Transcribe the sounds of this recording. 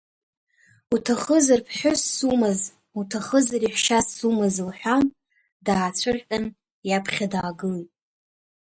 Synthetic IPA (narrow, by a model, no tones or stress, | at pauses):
utʰaχəzarpʰħʷᶣʊsːumɨz | utʰaχəzaɾiħʷʃasːumɨzɨlħʷᶣam | daːt͡ɕʷʰɨrʲʼan | japʰχʲadaːɡɨlitʼ